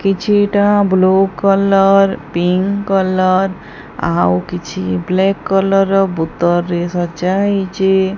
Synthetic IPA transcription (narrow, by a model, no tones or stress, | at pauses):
kit͡ʃʰiʈãblokːələɾpiŋkələɾ | a̰wkit͡ʃʰḭblɛkːələɾbut̪ːəɾːesət͡ʃaɦit͡ʃe